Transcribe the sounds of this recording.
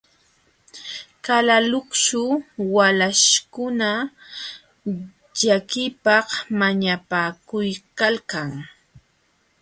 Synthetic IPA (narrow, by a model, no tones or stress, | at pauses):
kalalʊkt͡ʃʊwalaʃkʊna | ʎakɪpɑhmaɲapaːkʊjkalkaŋ